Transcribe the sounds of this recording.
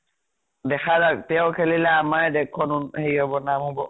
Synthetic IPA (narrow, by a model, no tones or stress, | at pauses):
dɛxazak̚tɛɔkʰelilɛamaɹɛdɛkʰːɔnunhejkɔbɔnamɔbɔ